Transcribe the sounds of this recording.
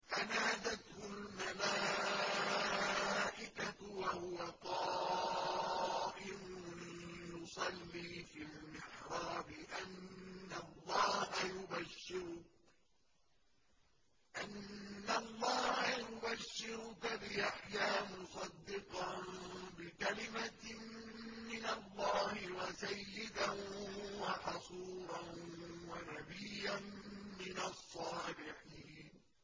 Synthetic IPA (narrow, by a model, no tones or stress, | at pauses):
ʔanaːd̪at̪hʊlmalaː | ʔɪkawahʊwaq̪ɑː | ʔɪmʊjʊsˤɑlːiːfilmɪħɾˤɑːbɪʔanːalˤːɑːhajʊbaʃːɪɾʊ | ʔanːalˤːɑːhajʊbaʃːɪɾʊkabɪʔaħjaːmʊsˤɑd̪ːɪqɑbɪkalɪma | mːɪnalˤːɑːhɪwasajːɪd̪a | wɑħɑsˤuːɾˤɑwanabijːanmɪnasˤːɑːlɪħiːn